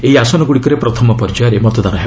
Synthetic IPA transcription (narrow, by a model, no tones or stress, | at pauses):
eiasɔnɔɡuɽikɔɾepɾɔt̪ʰɔmɔpɔɾd͡ʒaɾemɔt̪ɔd̪anɔɦe